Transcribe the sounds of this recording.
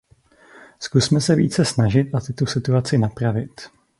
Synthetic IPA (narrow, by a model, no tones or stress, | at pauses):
skusmɛsɛvḭːt͡sɛsnaʒɪt̪ʔat̪ɪt̪usɪt̪uat͡sɪnapɾavɪt̪